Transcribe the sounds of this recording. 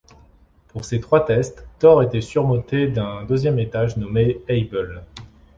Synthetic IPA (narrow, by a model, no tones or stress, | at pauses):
puʁset̪χwat̪ɛst̪ːɔʁet̪ɛsyʁmɔ̃t̪ed̪ɛ̃d̪øzjɛmet̪aʒnɔmeɛjbəl